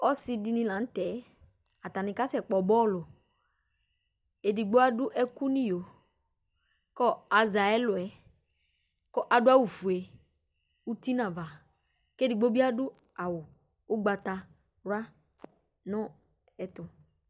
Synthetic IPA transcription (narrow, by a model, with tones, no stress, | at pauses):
ɔ˦si˨di˨˦nĩ˦lã˨˦n̩˦t̪ɛ˨˦ | a˨t̪a˨nɪ̃˨ka˦sɛ˨k͡pɔ˨bɔ˦lʊ˨ | e˨di˨ɡ͡bo˦a˦dʊ˦ʔɛ˦ku˦nĩ˦jo˨ | kɔ˦a˨za˨ɛ˦lʊ˨ɛ˨ | kɔ˦ʔa˨dʊ˦a˦wu˨fu˨e˨ | u˦t̪i˦nã˨va˨ | ke˦di˨ɡ͡bo˦bi˦a˦dʊ˦ | a˨wʊ˨ | ʊ˦ɡ͡ba˨t̪a˨ | ɾa˦ | nʊ̃˦ | ɛ˨t̪ʊ˨